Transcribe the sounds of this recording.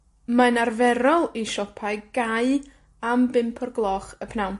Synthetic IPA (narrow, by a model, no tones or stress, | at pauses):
manarvɛɾɔlˠiʃɔpʰaɨɡ̥aɨ | ambɪmpʰɔrɡlˠɔχəpʰnawn